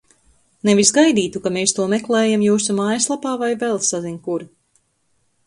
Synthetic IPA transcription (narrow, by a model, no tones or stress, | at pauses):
nevisɡajd̪iːt̪ukameːst̪uɔmɛklɛːjamjuːsumaːjslˠapaːvajvɛlˠsaziɲkuɾ